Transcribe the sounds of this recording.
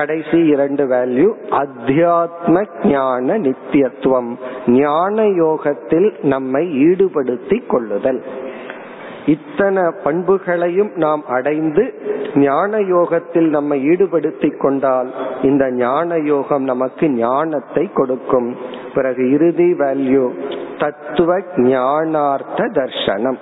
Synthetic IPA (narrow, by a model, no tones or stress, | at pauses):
kɐɽɐɪsiɪɾɐɳɖɯʋeːljuʔɐd̪ʱjaːt̪̚mɐɡɲaːnɐnɪt̪ːjɐt̪ːʋɐmɲaːnɐjoːɣɐt̪ːɪlnɐmːɐɪiːɽɯpɐɽɯt̪ːɪkːɔɭːɯðɐl | ɪt̪ːɐnɐpɐɳbɯɣɐɭɐjɯmnaːmʔɐɽɐɪnd̪ɯɲaːnɐjoːɣɐt̪ːɪlnɐmːɐɪiːɽɯpɐɽɯt̪ːɪkːɔɳɖaːlɪnd̪ɐɲaːnɐjoːɣɐmnɐmɐkːɯɲaːnɐt̪ːɐɪkːɔɽɯkːɯmpɪɾɐɣɯɪɾɯðiʋaːljut̪ɐt̪ːɯʋɐkɲaːnaːɾt̪ɐd̪ɐɾʂɐnɐm